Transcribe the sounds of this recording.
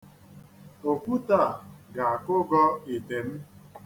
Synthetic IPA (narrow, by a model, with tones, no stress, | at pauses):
o˨kʷu˦ta˦˨ɡa˨a˨kʊ˦ɡɔ˦e˨te˨m̩˦